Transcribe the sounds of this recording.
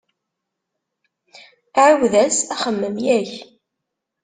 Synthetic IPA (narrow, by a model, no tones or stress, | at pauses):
ʕəwðæsæχəmːəmjæç